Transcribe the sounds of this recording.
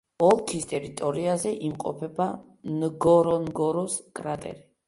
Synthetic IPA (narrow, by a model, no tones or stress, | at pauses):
ɔlˠkʰist̪ʼɛɾit̪ʼɔɾiazɛʔimqʼɔ̰pʰɛba | nɡɔɾɔnɡɔɾɔskʼɾat̪ʼɛ̰ɾi